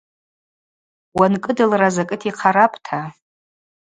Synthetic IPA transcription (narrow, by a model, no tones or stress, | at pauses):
wankʼɨdɨlrazakʼɨtʰiqʰaɾapʼtʰa